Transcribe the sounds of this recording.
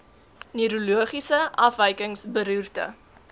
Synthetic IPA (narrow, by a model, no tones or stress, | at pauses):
nyɾuluəχisəʔɐfəjkəŋsbəɾyːrtə̰